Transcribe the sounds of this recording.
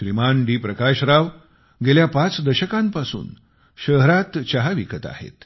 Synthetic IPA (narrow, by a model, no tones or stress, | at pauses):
ɾimanɖiːpɾəkaɕɾaʋ | ɡeljapat͡sd̪əɕəkampasṵːn | ɕəɦɾat̪t͡ɕaɦaʋikʰət̪a̰ɦhḛt̪